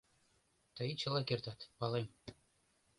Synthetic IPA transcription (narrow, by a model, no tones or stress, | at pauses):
t̪ɤ̆it͡ɕɤ̆lˠɑkʲert̪ɑt̪pɑlˠem